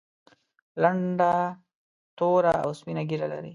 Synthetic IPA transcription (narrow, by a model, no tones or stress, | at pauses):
laɳɖa | t̪oɾaawspinaɡiɾala̰ɾi